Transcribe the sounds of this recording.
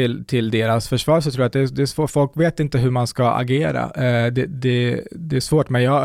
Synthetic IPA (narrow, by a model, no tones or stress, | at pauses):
ɪlt̪ʰɪld̪eːɾasfœʂvɑːɾs̬ɔt̪ʰɾuːjat̪̚d̪ɛːd̪ɛːʂvoːfɔlkveːt̪ɪnt̪əɦɵmanskaa̰ɡeːɾa̰d̪ɛd̪ɛd̪ɛæʂvoːʈmɛnjɑː